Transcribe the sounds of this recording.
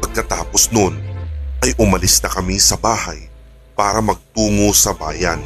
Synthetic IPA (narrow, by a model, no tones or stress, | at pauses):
pɐɡ̚kɐt̪aːposnonʔɐjʔʊmɐlɪsnɐkɐmisɐbaːhɐ̰j | paːɾɐmɐɡ̚t̪uːŋo̞sɐbaːjɐn